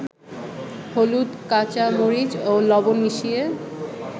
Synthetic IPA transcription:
holud̪kat͡ɕamoɾid͡ʑolɔboniʃie

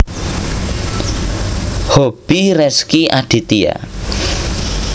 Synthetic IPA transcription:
hob̥iɾɛskiʔaɖ̪̥i̤t̪ia̰

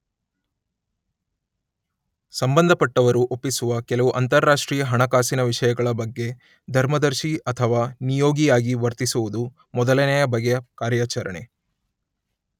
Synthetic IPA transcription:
sɐmbɐnd̪ʱɐpɐʈːɐʋɐɾuʔopːisuʋɐkɛlɐʋuʔɐnt̪ɐɾːaːʂʈɾiːjɐɦɐɳɐkaːsinɐʋiʂɐjɐɡɐɭɐbɐɡːe̞ | d̪ʱɐɾmɐd̪ɐɾʃiɐt̪ʰɐʋaːnijoːɡijaːɡiʋɐɾt̪isuʋud̪u | mɔd̪ɐlɐnɛjɐbɐɡejɐkaːɾjaːt͡ʃɐɾɐɳe

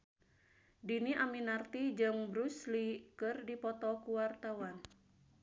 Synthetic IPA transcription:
diniʔaminart̪id͡ʒɨŋbɾuslikɨrdipɔt̪ɔkuwart̪awan

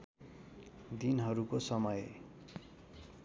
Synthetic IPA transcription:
d̪inɦʌɾukosʌmʌj

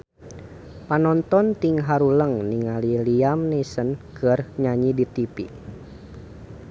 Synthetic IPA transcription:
panɔnt̪ɔnt̪iŋɦaɾuləŋniŋaliliamnisənkɨrɲaɲidit̪ipḭ

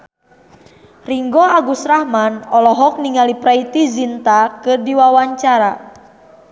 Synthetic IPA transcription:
riŋɡɔaɡusɾahmanɔlɔɦɔk̚niŋalipɾait̪izint̪akɨrdiwawaɲt͡ʃaɾa

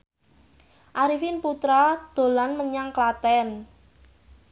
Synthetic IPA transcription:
ʔaɾifɪnput̪ɾad̪̥o̤lanməɲaŋklat̪ɛn

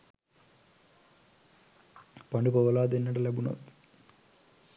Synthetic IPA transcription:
pɐɳɖupɐʋɐlaːd̪enːɐʈɐlebunɐ̰t̪

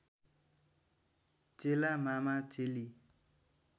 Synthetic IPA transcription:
t͡ʃelamamat͡ʃeli

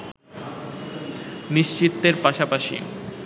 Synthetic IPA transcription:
niʃt͡ɕit̪ːeɾpaʃapaʃḭ

